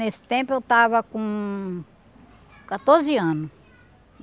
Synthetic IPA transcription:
nesi̥t̪ẽmpoet̪aβakũ | kat̪oɾziãnʊ̃

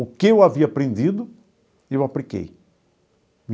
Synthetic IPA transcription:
ʊkɪewaviɐapɾẽnd̪id̪ʊ | ewaplikḛj | mi

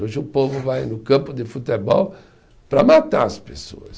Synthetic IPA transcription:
oʒɪʊpovʊvajnʊkɐ̃mpʊd̪ɪfut̪ebɔw | pɾɐmat̪aɐspeso̰ɐs

